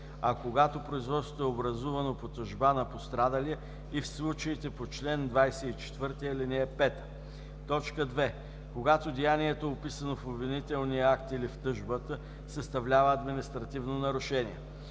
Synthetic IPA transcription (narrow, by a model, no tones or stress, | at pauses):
ɐkoɡat̪opɾoʊizvɔt̪so̥t̪oɛobɾɐzuvɐnopot̪ɐʒbanɐpost̪ɾad̪ɐliɛ | ifslˠut͡ʃəit̪ɛpot͡ʃlɛnd̪vajsɛit͡ʃɛ̥t̪vɤɾt̪iəlinɛɛpɛt̪ə̥ | t̪ɔt͡ʃkəd̪vɛ | koɡat̪od̪ijaniɛt̪oɛopisɐnofobvinit̪ɛlˠniəakt̪ilift̪ɤʒbət̪ə | sɐst̪ɐvlʲavəɐd̪minist̪ɾɐt̪ivnonɐɾʊʃɛnḭɛ̰